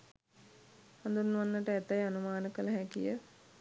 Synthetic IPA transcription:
hand̪unːʋanːəʈəæt̪ajanumaːnəkələɦɛkḭjə

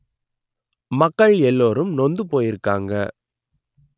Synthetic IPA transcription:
mɐkːɐɭɛlːoːɾɯmnɔnd̪ɯpoːjɪɾɯkːaːŋɡɐ̰

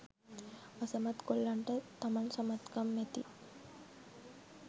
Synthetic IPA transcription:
ɐsɐmɐt̪kolːɐɳʈɐt̪ɐmɐnsɐmɐt̪kɐmːet̪i

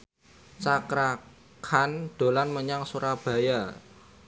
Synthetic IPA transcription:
t͡ʃakɾa | kʰand̥o̤lanməɲaŋsuɾab̥a̤ja

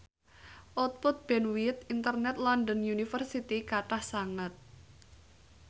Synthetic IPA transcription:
ʔɔt̪̚pʊt̪̚b̥ɛnwit̪̚int̪ərnɛt̪̚lɔndənjunifərsit̪ikaʈahsaŋət̪̚

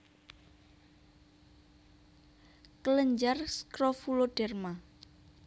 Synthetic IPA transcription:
kələɲd͡ʒarskɾofuloɖ̥ɛrma

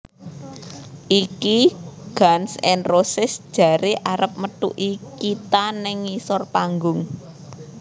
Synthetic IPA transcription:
ʔikiɡ̥ansɛnrosɪsd̥ʒ̥a̤ɾeʔaɾəp̚məʈ̪ṵʔikit̪anɪŋisɔrpaŋɡʊŋ

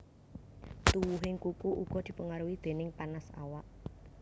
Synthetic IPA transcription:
t̪uwuɦɪŋkukuʔuɡ̥ɔ̤d̪̥i̤pəŋaɾuwid̪̥e̤nɪŋpanasa̰waʔ

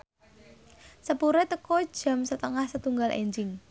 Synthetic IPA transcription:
səpuɾɛt̪əkɔd̥ʒ̥a̤msət̪əŋahsət̪uŋɡalʔḛɲd͡ʒɪŋ

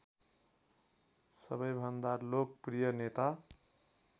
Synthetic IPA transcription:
sʌbʌjbʱʌnd̪alok̚prijʌnet̪a

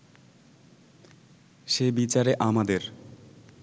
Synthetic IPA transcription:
ʃebit͡ɕaɾeʔamad̪eɾ

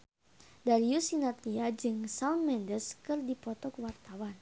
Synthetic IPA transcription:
daɾiusinat̪liad͡ʒɨŋsaunmɛndəskɨrdipɔt̪ɔkwart̪awan

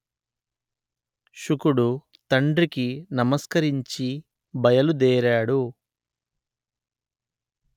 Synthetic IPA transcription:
ʃukuɽu | t̪ɐɳɖɾikinɐmɐskɐɾiɲt͡ʃi | bɐjɐlud̪ɛːɾaːɽu

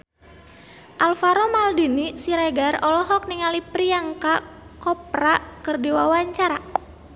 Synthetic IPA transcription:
ʔalfaɾɔmaldinisiɾaɡarɔlɔɦɔk̚niŋalipɾiaŋkakɔp̚ɾakɨrdiwawaɲt͡ʃaɾa

